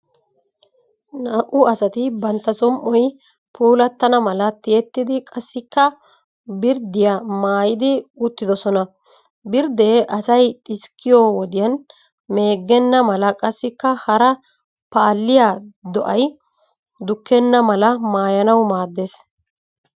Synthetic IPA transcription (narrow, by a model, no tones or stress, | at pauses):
naːʔʊɐsɐt̪ɪbɐnt̪ːɐsɔmʔɔj | pʰuːlɐt̪ːɐnɐmɐlɐt̪ɪjɛt̪ːɪd̪ɪkʼɐsːɪkːɐ | bɪɾd̪ɪjamaːjɪd̪ɪʊt̪ːɪd̪ɔsɔnɐ | bɪɾd̪eːʔɐsɐjt̪ʼɪskʰːɪjowɔd̪ɪjɐn | me̞ːɡːɛnːɐmɐlɐkʼɐsːɪkːɐhɐɾɐ | paːlːɪjad̪ɔʔɐj | d̪ʊkːɛnːɐmɐlɐmaːjɐnɐwmaːd̪ːeːs